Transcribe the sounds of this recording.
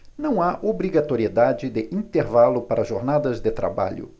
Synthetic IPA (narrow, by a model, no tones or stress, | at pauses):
nɐ̃w̃aʔobɾiɡat̪oɾied̪ad͡ʒɪd̪ɪʔĩnt̪eɾvalʊpaɾɐʒoɾnad̪ɐzd̪ɪt̪ɾa̰ba̰ʎʊ̰